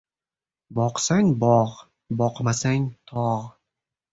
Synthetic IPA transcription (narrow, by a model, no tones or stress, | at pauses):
bɒqsaŋbɒʁ | bɒqmasaŋʲt̪ʰɒʁ